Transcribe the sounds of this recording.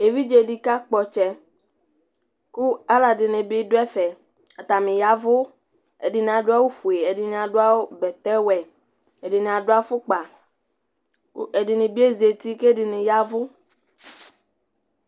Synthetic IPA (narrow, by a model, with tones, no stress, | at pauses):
e˨vi˦d͡ʒe˨di˦ka˦k͡pɔ˨t͡ʃɛ˨ | ku˦a˦la˨dɪ˨nẽ˨be˦do˦ɛ˦fɛ˨ | a˨t̪a˨mĩ˨ja˦vʊ˦ | e˨di˨nẽ˨a˨dʊ˦a˦wo˦fu˨e˨e˨di˨n˨ã˨ɖo˦a˦wo˦bɛ˨t̪ɛ˦wɛ˨ | e˨di˨ñ˨a˨ɖo˦a˦fʊ˦k͡pa˨ | ke˨di˨nĩ˨bi˦e˦ze˨t̪i˦ke˦di˨nĩ˨ja˦vʊ˦